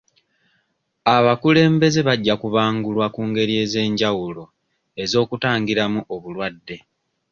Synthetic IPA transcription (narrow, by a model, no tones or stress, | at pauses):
aβakule̞ːmbe̞ze̞βaɟːakuβaːŋɡulwakuːŋɡe̞ɾie̞ːze̞ːɲɟawulo̞ | e̞zo̞ːkutaːŋɡiɾamuʔoβulwadːe̞